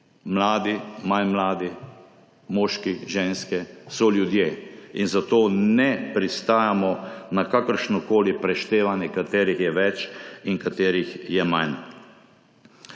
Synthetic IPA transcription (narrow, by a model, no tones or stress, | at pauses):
mlaːd̪imanmlaːd̪i | mɔːʃkiʒeːnskɛsɔljud̪jeːinzat̪oːnɛpɾist̪aːjamɔnakakəɾʃnɔkoːlipɾɛʃt̪eːʋanjɛkat̪eːɾixjɛʋɛt͡ʃiŋkat̪eːɾixjɛman